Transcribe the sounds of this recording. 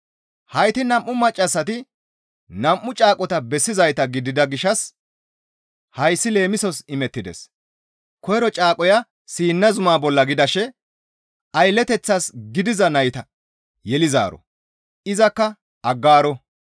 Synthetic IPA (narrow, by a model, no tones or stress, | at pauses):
hɐjt̪ɪnɐmʔːʊmɐt͡ʃʼːɐsːɐt̪ɪ | nɐmʔːʊt͡ʃʼaːkʼɔt̪ɐbɛsːɪzɐjt̪ɐɡɪd̪ɪd̪ɐɡɪʃːɐs | hɐjsːɪle̞ːmɪsɔsɪmɛt̪ːɪd̪ɛ̰s | kɔjɾɔt͡ʃʼaːkʼɔjɐ | siːnːɐzʊmaːbɔlːɐɡɪd̪ɐʃɛ | ɐjlːɛt̪ɛt͡sːasɡɪd̪ɪzɐnɐjt̪ɐ | jɛlɪza̰ːɾɔ̰ | ɪzɐkːɐ | ʔɐɡːaːɾɔ